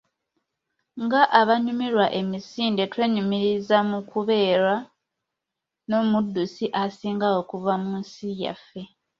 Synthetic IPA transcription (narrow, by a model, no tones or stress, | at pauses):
ŋɡaʔaβaɲumiɾwaʔe̞misiːnde̞twe̞ːɲumiɾizamukuβe̞ːɾa | no̞ːmudːusiʔasiːŋɡawo̞kuvamunsija̰fe̞